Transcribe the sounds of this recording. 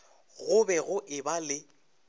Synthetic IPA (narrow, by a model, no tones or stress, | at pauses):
ɣʊbɛɣʊʔɪbalɪ